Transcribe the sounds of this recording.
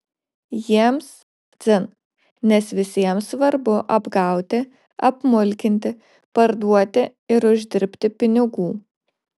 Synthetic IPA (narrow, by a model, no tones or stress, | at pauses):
jiɛms | d̪zʲɪn | nʲɛsʋʲɪsʲiɛmsʋɐɾbʊʔɐbɡɐʊt̪ʲɪ | ɐpmʊlʲkʲɪnʲt̪ʲɪ | pɐɾd̪uɔt̪ʲɪ | ɪɾʊʒʲd̪ʲɪɾʲpʲt̪ʲɪpʲɪnʲɪɡuː